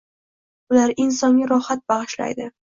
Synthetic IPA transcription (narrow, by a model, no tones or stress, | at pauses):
bʊlaɾɪnsɒŋʲaɾɒhat̪̚baʁɨʃla̰jd̪ɪ